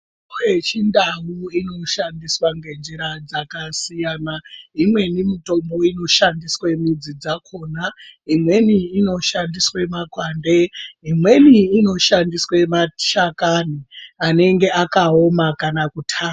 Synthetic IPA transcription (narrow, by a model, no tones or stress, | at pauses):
wet͡ʃindawuino̞ʃandiswaŋɡe̞nd͡ʒiɾad͡zakasijaːnaimwe̞nimito̞mbo̞ino̞ʃandiswe̞mud͡zid͡zakʰo̞ːnaimwe̞niːno̞ʃandiswemakwaːnde̞imwe̞niːno̞ʃandiswemaʃakaniane̞ŋɡe̞akao̞makanakutʰaː